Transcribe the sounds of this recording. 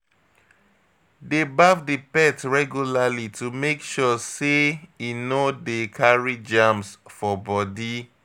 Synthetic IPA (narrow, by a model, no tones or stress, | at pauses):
debavdipɛtɹɛɡjulalitumekʃɔseinodekʰaɹid͡ʒãmsfɔbɔdi